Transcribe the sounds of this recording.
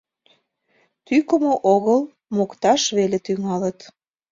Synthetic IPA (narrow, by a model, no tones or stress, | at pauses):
t̪ykəmoʔoɣəl | mokt̪ɑʃβelet̪yŋɑlət̪